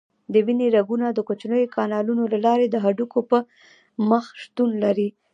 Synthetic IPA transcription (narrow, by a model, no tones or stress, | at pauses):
d̪əwineɾaɡunad̪əkot͡ʃnəjokʰɑnɑlunolalɑɾed̪əɦaɖukopə | məxʃt̪unlaɾi